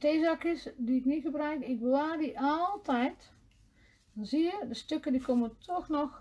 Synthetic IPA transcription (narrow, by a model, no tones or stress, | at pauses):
teːzakjəsdiɪknixəbrœɥkɪklaːdiʔɔlˠtʰɛjt | nziədəstøkədikʰoməntʰɔxnɔx